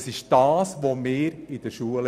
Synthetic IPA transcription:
sɪʃd̥ɑːsʋomɪːɾid̥əʃuəl

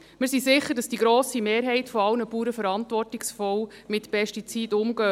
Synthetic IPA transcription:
mɪɾsisɪχːəɾdɑsd̥iɡɾoːsimeːɾɦɛɪtfɔɑlnəpuːɾəfəɾɑntʋɔrtɪksfɔwmɪtpɛʃtit͡siːdʊmɡœː

